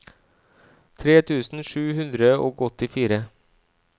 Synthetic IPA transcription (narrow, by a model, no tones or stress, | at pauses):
t̪ʰɾeːt̪ʰʉːsn̩ʂʉːhʉnd̪ɾəɔːɡɔt̪ːɪfiːɾə